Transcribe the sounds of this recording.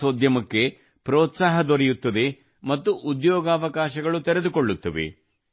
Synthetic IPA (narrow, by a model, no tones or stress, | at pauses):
oːd̪ʱjɐmɐkːe̞ | pɾɔːt̪saːɦɐd̪oɾɛjut̪ːɐd̪e̞ | mɐt̪ːuʔud̪jɔːɡaːʋɐkaːʃɐɡɐɭut̪ɛɾed̪ukoɭːut̪ːɐʋḛ